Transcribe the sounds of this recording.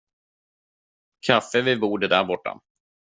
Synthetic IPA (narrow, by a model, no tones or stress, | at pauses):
kʰafːəvɪbuːɖəd̪æɾbɔʈːa̰